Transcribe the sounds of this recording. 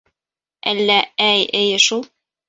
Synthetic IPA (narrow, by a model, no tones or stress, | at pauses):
ʔælːææjʔɘjɘ̆ʃulˠ